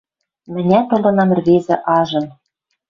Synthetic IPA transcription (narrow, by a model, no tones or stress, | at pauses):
mɘ̆nʲæt̪ɤ̆lɤ̆nɑmrβezɘ̆ʔɑʒɤ̆m